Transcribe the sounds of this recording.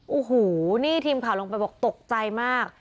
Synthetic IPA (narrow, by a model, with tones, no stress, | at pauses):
ʔuː˨˩ɦuː˩˦niː˥˩t̪ʰiː˧mkʰa˨˩˦wlo˧ŋp̬a˧jbɔː˨˩k̚t̪o˨˩k̚t͡ɕa˧jmaː˥˩k̚